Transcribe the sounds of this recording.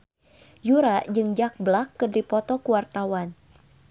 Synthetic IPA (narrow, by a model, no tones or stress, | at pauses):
juɾaʔd͡ʒɨŋd͡ʒak̚blakːɨrdipɔt̪ɔkuwart̪awan